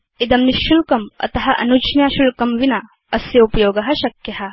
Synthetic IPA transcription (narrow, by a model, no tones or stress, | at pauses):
id̪ɐmniʃːulkɐmɐ̰t̪ɐɦɐʔɐ̰nut͡ʃnjaːʃulkɐmʋinɐ | ɐsjɐupɐjoːɡɐɦɐʃɐkjɐɦɐ̆